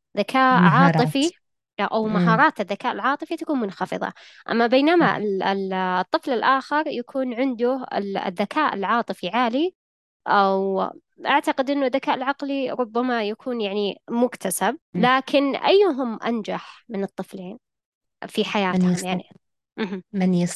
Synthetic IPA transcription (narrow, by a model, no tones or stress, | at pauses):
ðakʰaːʔʕɑːt̪ˤɨfi | ʔawmaɦɑːɾˤɑːt̪ɪðːakaːʔɪlʕɑːt̪ˤɨfit̪akuːnmʊnxɑfɨ̰ðˤɑ̰ | ʔa̰mːabeːnama̰ɪt̪ˤːɨflɪlʔaːxɪɾˤjakʰuːnʕɪnd̪ʊɪ̰ɪ̰ðːakʰaːʔɪ̰lʕɑːt̪ˤɨfiʕaːli | ʔaw | ʔaʕt̪aqɪd̪ʔɪnːʊðːakaːʔɪlʕɑqliɾˤʊbːamajakʰuːnjaʕnimʊkt̪ʰasab̚laːkʰɪnʔa̰jːɦʊmʔa̰nd͡ʒaħmɪnɨt̪ˤːɨfleːn | fiħajaːt̪hmjaʕni | ʔɦmans